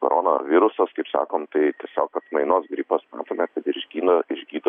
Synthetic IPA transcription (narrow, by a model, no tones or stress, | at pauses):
ko̰ɾoːno̰ʋʲɪɾʊsɐskɐɪpsɑ̰ːkoːmt̪ɐɪt̪ʲiɛsʲoːkɐt̪mɐɪnoːsɡɾʲipɐsmɑ̰ːt̪oːmʲɛkɐt̪ɪɾʒʲɡʲiːnɐɪʒʲɡʲiːd̪ɐ